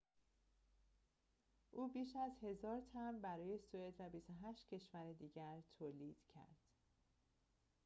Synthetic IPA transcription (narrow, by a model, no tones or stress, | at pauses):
ʔuːbiːʃæzhe̞zɒːɾt̪ʰænbæɾɒːje̞sued̪væbist̪oɦæʃt̪cʰe̞ʃvæɾed̪iːɟæɾt̪ʰoːliːd̪̥cʰæ̰ɾd̪̥